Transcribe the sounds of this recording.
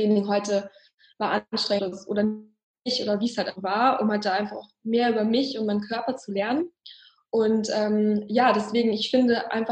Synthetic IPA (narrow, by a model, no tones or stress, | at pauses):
d̥eːnɪŋɦɔʏtə | vaːɐʔanʃtʁ̥ɛəsʔo̰ːdɐ | ɪçʔo̰ːdɐviːshaltʔavaːɐʔʊmhalt̚d̥aːʔaɪnfaχʊxmeːɐʔyːbɐmɪçʊntmaɪnkʰœɐpɐt͡sulɛɐnən | ʔʊntʔɛːmjaːdɛsv̥eːɡŋ̩ɪçfɪndəʔa̰ɪnfa